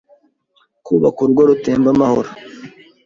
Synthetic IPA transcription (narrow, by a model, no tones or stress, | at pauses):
kuβakuɾuɡwoɾuteːmbamaho̞ɾa